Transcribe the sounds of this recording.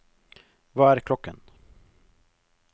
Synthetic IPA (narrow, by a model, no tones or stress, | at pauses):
vaæɾkʰlɔkːə̰n